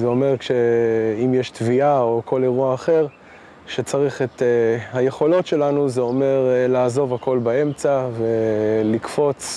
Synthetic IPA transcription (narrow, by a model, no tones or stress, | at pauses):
zeo̞me̞ʁkʃeimjeʃtviao̞ko̞le̞ʁuaːχe̞ʁ | ʃet͡saʁiχet̪hajeχo̞lo̞tʃe̞lanuzeo̞me̞ʁlaːzo̞vako̞lbae̞mt͡savelikfo̞t͡s